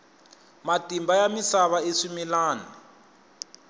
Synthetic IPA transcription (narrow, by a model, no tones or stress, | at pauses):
matimbajamisaβaeʂimilaːni